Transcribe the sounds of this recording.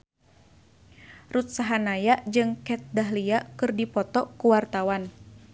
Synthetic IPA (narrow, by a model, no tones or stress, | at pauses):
rut̪̚saɦanajaʔd͡ʒɨŋkɛt̪̚daɦliaʔkɨrdipɔt̪ɔkuwart̪awan